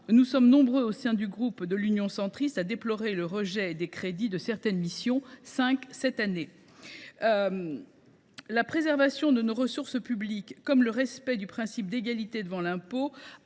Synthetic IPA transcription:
nusɔmnɔ̃bʁøosɛ̃d̪yɡʁupd̪əlynjɔ̃sɑ̃t̪χist̪ad̪eplɔʁeləʁəʒɛd̪ekχed̪id̪əsɛʁt̪ɛnmisjɔ̃sɛ̃ksɛt̪ane | lapχezɛʁvasjɔ̃d̪ənoʁəsuʁsəpyblikːɔmləʁɛspɛd̪ypχɛ̃sip̚d̪eɡalit̪ed̪əvɑ̃lɛ̃po

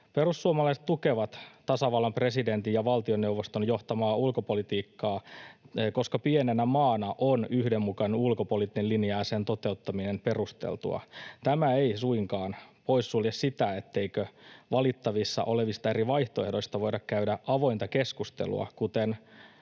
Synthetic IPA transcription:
perusːuomɑlɑiset̪t̪ukeʋɑt̪t̪ɑsɑʋɑlːɑmpre̞side̞nt̪ijjɑʋɑlt̪ionːeuʋːost̪onjo̞ht̪ɑmɑːulkopo̞lit̪iːkːɑː | ko̞skɑpienenæmɑːnɑʔonyhdemːukɑnenulkopolit̪ːeliniæːseːnt̪ot̪e̞ut̪ːɑminempe̞rust̪ḛlt̪ṵɑ̰t̪æmæeisuiŋkɑːnpo̞isːuljessit̪æet̪ːe̞ikøʋɑlit̪ːɑʋisːɑ̰ʔo̞leʋist̪ɑe̞riʋɑjht̪oehdo̞ist̪ɑʋo̞idɑkkæydæʔɑʋo̞int̪ɑkeskust̪ḛlṵɑ̰kut̪en

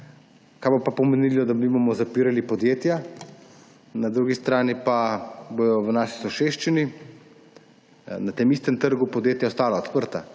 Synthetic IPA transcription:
kajbopapɔmenilɔd̪abibɔmɔzapiːɾalipɔd̪jeːt̪ja | nad̪ɾuːɡist̪ɾaːnipaboj̪ɔwnaːʃisɔʃeʃt͡ʃini | nat̪emist̪ɛmt̪əɾɡupɔd̪jeːt̪jaɔst̪aːlaot̪pəɾt̪a

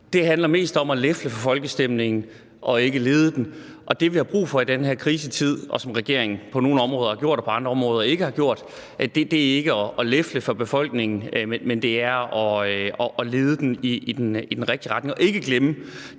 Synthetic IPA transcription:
d̥e̝ɦænlɐme̝̰ːsd̥ɒ̽mælefləfɒ̽fɒ̽lɡ̥əsd̥em̰ne̝ŋn̩ | ʔɒ̽e̝ɡ̥əle̝ːð̞ˠəd̥enʔɒ̽d̥e̝ʋihɑ̈b̥ʁṵːfɒ̽id̥enɦæɐ̰kʰʁiːsət͡sʰið̞̰ˠʔɒ̽sɒ̽mʁɛɡ̥e̝ɐ̰e̝ŋn̩pʰɒ̽no̝ːn̩ɒ̽mʁɔ̽ːðˠɐhɑ̈ɡ̥o̝ɐ̰d̥ɒpʰɒ̽ɑ̈nd̥ʁɐɒ̽mʁɔ̽ːð̞ˠɐe̝ɡ̥əhɑ̈ɡ̥jo̝ɐ̰d̥ | ʔæd̥e̝d̥e̝æe̝ɡ̥əɒʔɒlefləfɒ̽b̥e̝fɒ̽l̰ɡ̥ne̝ŋn̩menmend̥e̝æɐɒɒʔle̝ːð̞ˠəd̥eniid̥enid̥enʁɛɡ̥̚d̥iʁɑ̈d̥ne̝ŋɒe̝ɡ̥əɡ̥lemə

